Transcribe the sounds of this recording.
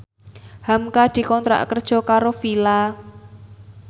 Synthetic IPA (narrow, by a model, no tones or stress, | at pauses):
hamkad̪̥i̤kɔnt̪ɾa̰ʔkərd̥ʒ̥ɔ̤kaɾofila